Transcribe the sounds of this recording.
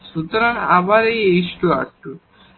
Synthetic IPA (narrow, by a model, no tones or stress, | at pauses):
ʃut̪oɾana̰baɾejejʃʈua̰ʈːu